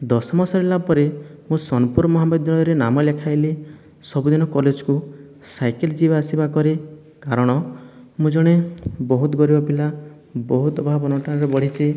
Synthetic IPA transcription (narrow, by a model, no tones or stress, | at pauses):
d̪ɔsɔmɔsɔɾelapɔɾimũsɔnɔpuɾmɔɦamɔd̪ɔjɾenamɔlekʰajli | sɔbud̪inɔkɔled͡ʒku | sajkeld͡ʒibaasibakɔɾi | kaɾɔɽ̃ɔ | mũd͡ʒɔɽ̃ebɔɦut̪ɡɔɾibɔpila | bɔɦut̪ɔbʱabɔnɔʈanɔɾɔbɔɽ̤it͡ʃʰi